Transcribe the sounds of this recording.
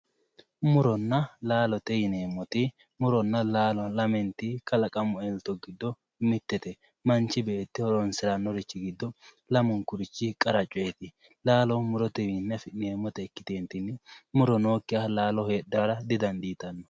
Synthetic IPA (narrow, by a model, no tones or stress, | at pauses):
mʊɾɔnːɐlaːlɔt̪ɛjɪneːmːɔt̪ɪ | mʊɾɔnːɐlaːlɔlɐmɛnt̪ɪkɐlɐkʼɐmʊɛlt̪ɔɡɪd̪ːɔ | mɪt̪ːɛt̪ɛ | mɐnt͡ʃːɪbeːt̪ːɪhɔɾɔnsɪɾɐnːɔɾɪt͡ʃːɪɡɪd̪ːɔ | lɐmʊŋkʊɾɪt͡ʃːɪkʼɐɾɐt͡ʃʼʊet̪ɪ | laːlɔmʊɾɔt̪ɛjɪnːɐfɪneːmːɔt̪ɛɛkːɪ̥t̪eːnt̪ɪnːɪmʊɾɔno̞ːkːɪjalaːlɔheːɗːɐɾɐd̪ɪd̪ɐnd̪iːt̪ɐnːɔ̥